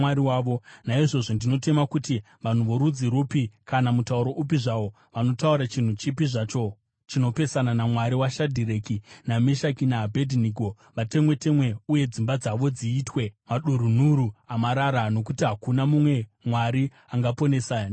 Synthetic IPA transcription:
aɾiwaːo̞naiʐo̞ʐondino̞te̞makuti | ʋan̤uʋoɾud͡ziɾupikanamutauɾo̞ʔup̬iʐao̞ | ʋano̞tauɾat͡ʃin̤ut͡ʃipiʐat͡ʃo̞ | t͡ʃino̞pe̞sananamwaɾiwaʃadʱiɾe̞kinameʃakinaːbʱedʱiniɡʱo | ʋate̞mwe̞te̞mwe̞uje̞d͡zimbad͡zaʋo̞d͡ziːtwe̞maɗuɾun̤uɾuamaɾaɾano̞kutiɦakunamumwe̞mwaɾi | aŋɡapo̞nesan

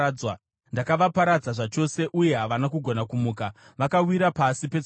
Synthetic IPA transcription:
wa | ndakaʋapaɾad͡zaʐat͡ʃo̞se̞ʔuje̞ɦaʋanakuɡʱo̞nakumuːka | ʋakawiɾapasipe̞

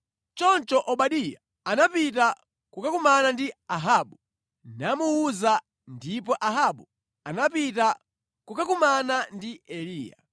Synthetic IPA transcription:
t͡ʃɔnt͡ʃɔʔɔɓaɗija | anapit̬a | kukakumanandiaɦaːɓu | namuuza | ndipɔʔaɦaɓu | anapita | kukakumanandiɛliːja̰

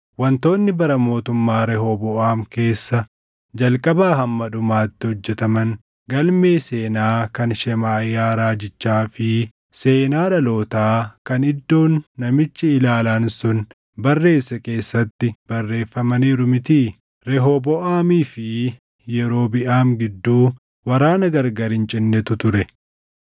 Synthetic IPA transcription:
wɐnt̪o̞ːnːɪbɐɾɐmo̞ːt̪ʊmːaːɾɛɦɔbɔʔaːmke̞ːsːɐ | d͡ʒɐlkʼɐbaːɦɐmːɐᶑʊmaːt̪ːɪhɔd͡ʒːɛt̪ɐmɐn | ɡɐlme̞ːse̞ːnaːkɐnʃɛmaːjːaːɾaːd͡ʒɪt͡ʃːaːfɪ | se̞ːnaːᶑɐlo̞ːt̪aːkɐnɪd̪ːo̞ːnːɐmɪt͡ʃːɪɪlaːlaːnsʊn | bɐrːe̞ːsːɐke̞ːsːɐt̪ːɪb̥ɐrːe̞ːfːɐmɐniːɾʊmɪt̪iː | ɾɛɦobɔʔaːmiːfɪ | jɛɾo̞ːbɪʔaːmɡɪd̪ːuː | wɐɾaːnɐɡɐɾɡɐɾɪnt͡ʃʼɪnːɛt̪ʊt̪ʊɾɛ

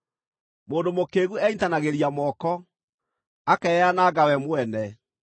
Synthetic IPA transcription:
moːndomokeːɣuɛintanaɣeɾiamɔkɔ | akɛɛanaːɡawɛmoɛnɛ

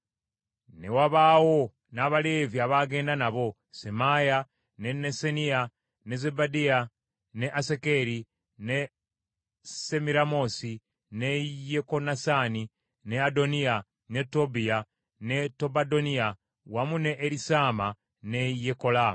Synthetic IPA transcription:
ne̞waβaːwo̞ | naːβale̞vjiaβaɡe̞ːndanaβo̞ | se̞maja | ne̞ne̞senija | ne̞ze̞badia | ne̞ʔasekeɾi | ne̞ | se̞miɾamo̞si | ne̞jeko̞nasaːni | ne̞ado̞nija | ne̞tobia | ne̞to̞bado̞nia | wamune̞ʔːɾisaːma | ne̞jeko̞laːm

